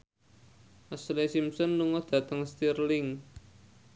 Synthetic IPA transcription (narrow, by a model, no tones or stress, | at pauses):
ʔaslesimsɔnːuŋɔd̪̥ä̤t̪əŋst̪irlɪŋ